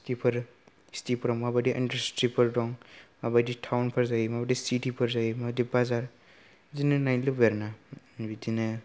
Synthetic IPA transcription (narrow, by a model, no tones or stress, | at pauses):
stipʰɐɾ | stipʰɾɔmabadiʔɐ̰ndɐɾstipʰɐɾdɔŋmabaditʰawnpʰɐɾzajmabadisitipʰɐɾzajmadibazaɾ | zinɯnajlɯbeɾna | bidinɐ